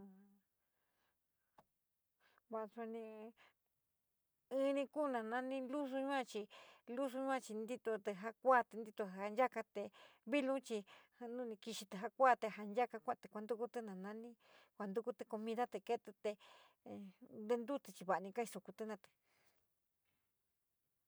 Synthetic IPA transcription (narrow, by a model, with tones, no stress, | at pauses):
βa˧sa˧nĩ˧ | ɨ̃˦˧nĩ˧ku˦nã˧nã˦nĩ˦lu˦su˧ɲũ˦ã˦˧t͡ʃi˧lu˦s̬u˧ɲũ˦ã˧t͡ʃi˧nd̪i˦t̪o˧t̪e˧ɦa˧kʷa˦˨t̪e˧nd̪i˧t̪o˧ha˧nd͡ʒa˦ka˧t̪e˧βi˦lũ˦t͡ʃi˧ | nũ˦˧nĩ˧ki˧ʃi˧t̪e˧ɦa˧kʷa˦˨t̪e˧ɦa˧nd͡ʒa˦ka˧kʷã˦˧t̪e˧kʷa˧nd̪u˦˧ku˧t̪ɨ˦nã˨nã˦nĩ˦ | kʷa˧nd̪u˧ku˦t̪e˧ko˧mĩ˧ða˦t̪e˧ke˦t̪e˧t̪e˧ | d̪e˧nd̪u˦t̪e˧t͡ʃi˧βa˨˧nĩ˧ka˦i˧so˧ku˧t̪ɨ˧˦nã˧t̪ɨ̥˨